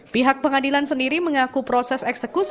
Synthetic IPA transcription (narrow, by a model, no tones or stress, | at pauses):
piɦak̚pəŋadilansəndiɾiməŋakupɾosɛsɛksəkus